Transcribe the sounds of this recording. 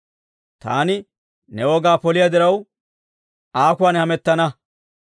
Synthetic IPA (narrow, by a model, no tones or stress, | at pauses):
t̪a̰ːnɪ | nɛwɔːɡaːpɔlɪjɐd̪ɪɾɐw | aːkʊwaːnhɐmɛt̪ːɐnɐ